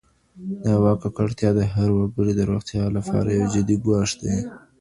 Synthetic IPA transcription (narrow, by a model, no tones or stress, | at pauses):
d̪əawɑkakaɽt̪jɑd̪əɦaɾwaɡəɽid̪əɾoxt̪jɑlapɑ̰ɾajawd͡ʒɪd̪iɡwɑʃd̪e